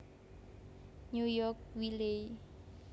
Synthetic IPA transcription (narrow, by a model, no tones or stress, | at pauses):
ɲujɔk̚wile